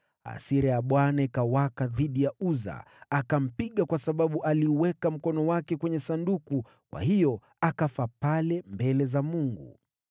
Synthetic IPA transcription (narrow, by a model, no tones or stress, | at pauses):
a̰siɾɛjaɓwanaikawakaðiɗijauza̰ː | kam̩piɠakwasaɓaɓuʔaliuwɛkam̩kɔnɔwakɛkwɛɲɛsanduku | kwʔa̰hijɔ | akafapalɛmbɛlɛzamuŋɡṵ